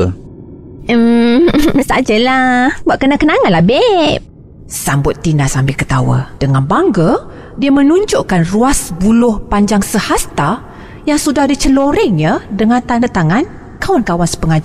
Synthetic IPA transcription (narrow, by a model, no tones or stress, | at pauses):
sad͡ʒəlahbaʔkənakənaŋanlahbɛp̚ | sambʊt̪ːinasambikət̪awa̰d̥əŋanbaŋɡə | diəmənuɲd͡ʒoʔkanruasbulʊhpaɲd͡ʒaŋsəhast̪a | jaŋsudahdit͡ʃəloɾɛŋɲadəŋant̪anət̪aŋan | kawankawansə̥pəŋad͡ʒa